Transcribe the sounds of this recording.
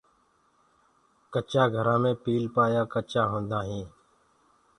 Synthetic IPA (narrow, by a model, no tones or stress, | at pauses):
kət͡ʃaːɡʱəɾãːmẽːpiːlpaːjaːkət͡ʃaːɦõːnd̪aːɦĩː